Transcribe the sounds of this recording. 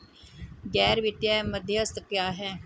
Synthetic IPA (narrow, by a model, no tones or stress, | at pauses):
ɡɛːɾʋɪt̪jaːɛməd̪ʱjəəst̪kjaːɦɛː